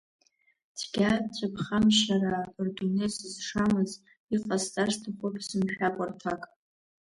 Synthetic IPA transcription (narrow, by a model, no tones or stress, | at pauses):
dʰɡʲat͡ɕʷʰʼapχamʃarabɨrɡunesɨzʂamɨz | iqʼazt͡sʼartʰaχʷʊpʰsɨmħʲᶣakʷʼartʰakʼ